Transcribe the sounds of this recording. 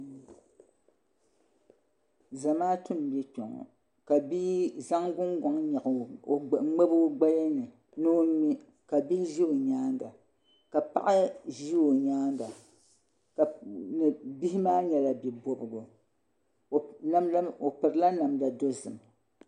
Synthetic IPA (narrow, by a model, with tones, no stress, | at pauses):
za˨maː˦tʊ˦m˨bɛ˦k͡pɔ̰˨ŋɔ̰˨ | ka˨bi˦za˦ŋɡʊ˦ŋɡɔ˨ŋɲɛ˨ʔ | ŋ͡me˦bo˦ɡ͡ba˦jɛ˦nɨ˨ | nɨ˦i˦ | ka˨bi˦hʒi˦o˨ɲaː˦ŋɡa˨ | ka˨pa̰˦ʔa˦ʒi˦o˨ɲaː˦ŋ˦ɡa˨ | ka˨nɨ˨bi˦hi˦maː˦ɲɛ˨la˨bi˨bo˦bɨ˨ɡo˨˦ | o˨pɨ˨ɾɨ˨la˦na˨mda˨do˦zɨ̰˨m